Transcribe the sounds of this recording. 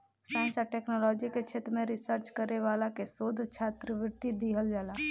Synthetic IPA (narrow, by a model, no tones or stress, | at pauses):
saːɪ̃nsaʈeːknɔlɔːd͡ʒiket͡ʃʰeːt̪ɾəmẽɾɪsəɾt͡ʃkəɾeʋaːlakesoːd̪ʱt͡ʃʰaːt̪ɾəʋɪɾt̪id̪iɦəld͡ʒaːlaː